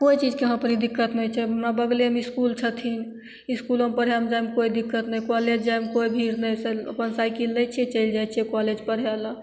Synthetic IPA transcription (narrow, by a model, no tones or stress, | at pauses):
kojt͡ʃid͡ʒkeɦə̃pəɾid̪ikːət̪nət͡ʃʰɛmabəɡlemiskult͡ʃʰət̪ʰin | iskulompəɾɦamd͡ʒajmkoid̪ikːət̪nəjkɔled͡ʒd͡ʒajmekoibʱiɾnəjseə̰pənsajkilnət͡ʃʰiɛt͡ʃəɪld͡ʒajt͡ʃʰiɛkɔled͡ʒpəɾɦala